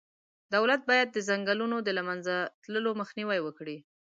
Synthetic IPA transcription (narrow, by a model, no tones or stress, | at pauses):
d̪awlat̪̚bɑjad̪̚ːəzaŋɡalunod̪əlamanzat̪ləloməxniwajwəkɽi